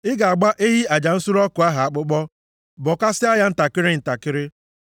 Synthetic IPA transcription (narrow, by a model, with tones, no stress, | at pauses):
ɪ˦ɡa˨a˨ɡ͡ba˦ʔe˦ɦi˦a˨d͡ʒa˨n̩˦su˦ɾɔ˦kʊ˨a˦ɦa˨a˨k͡pʊ˦k͡pɔ˦ | bɔ˨ka˦sɪ˦a˦ja˦n̩˦ta˨kɪ˦ɾɪ˦n̩˨ta˨kɪ˦ɾɪ˦